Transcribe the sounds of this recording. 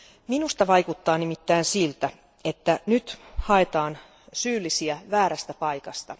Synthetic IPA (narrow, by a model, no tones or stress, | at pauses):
minust̪ɑʋɑjkut̪ːɑːnimit̪ːæːnsilt̪æ | et̪ːænyt̪hɑet̪ɑːn | syːlːisiæʋæːɾæst̪æpɑikɑst̪ɑ